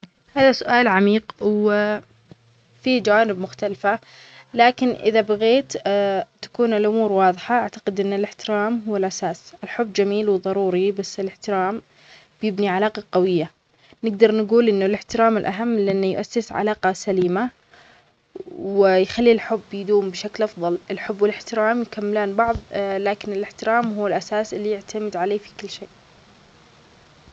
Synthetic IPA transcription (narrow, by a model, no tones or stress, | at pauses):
haːðasʊʔaːlʕamiːqw | fid͡ʒawaːnɪb̚mʊxt̪alfa | laːkɪnʔɪðabaɣeːt̪t̪ːḁkuːnɪlʔʊmuːɾwɑːðˤħaʔaʕt̪aqɪd̪ʔɪnːɪlɪħt̪ɪɾaːmɦʊwːalʔasaːsʔɪlħʊbːd͡ʒamiːlwðˤɑɾuːɾibasːɪlɪħt̪ɪɾaːm | b̥jɪbniʕalaːqɑqɑwɪjːa | nɪɡ̚d̪ɑɾˤnɡuːlʔɪnːʊlɪħt̪ɪɾaːmɪlʔaɦamːlɪʔɪnːjʊʔasːɪsʕa̰laːqɑsaliːma | wɪjxalːilħʊbːjd̪uːmbɪʃaklʔɑfðˤɑlɪlħʊbːwɪlɪħt̪ɪɾaːmjkamːɪlaːnbɑʕðˤlaːkɪnɪlɪħt̪ɪɾaːmɦuːɪlʔasaːsʔɪlːijɪʕt̪ʰamɪd̪ʕaleːfi̥kʊlːʃeːʔ